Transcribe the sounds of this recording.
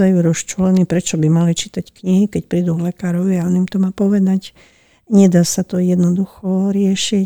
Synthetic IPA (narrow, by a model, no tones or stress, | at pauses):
ajuɾɔst͡ʃulɛnipɾɛt͡ʃɔbimalit͡ʃit̪ackɲiɦikɛcpɾiːd̪uvlɛkaːɾɔʋiaɔnimt̪ɔmaːpɔʋɛd̪ac | ɲɛd̪aːsat̪ɔjɛd̪nɔd̪uxɔɾɪɛʃi